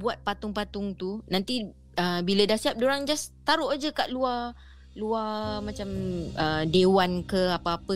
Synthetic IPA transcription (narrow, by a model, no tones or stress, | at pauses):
buat̪̚pat̪ʊŋpat̪ʊŋt̪unãnt̪i | əbilədahsiap̚doɾaŋd͡ʒast̪aɾʊʔad͡ʒəkaʔlua | luamãt͡ʃamədewankəapaapə